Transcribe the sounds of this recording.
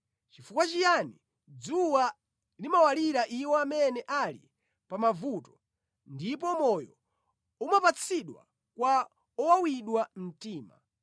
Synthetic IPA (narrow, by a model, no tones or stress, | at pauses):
t͡ʃifukwat͡ʃijani | d͡zuwa | limawaliɾaʔiwɔamɛnɛʔalḭ | pamavutɔ̥ | ndip̬ɔmɔjɔ̰ | umapat͡sʰiɗwa̰ | kwa | ɔwawiɗwam̩tiːma̰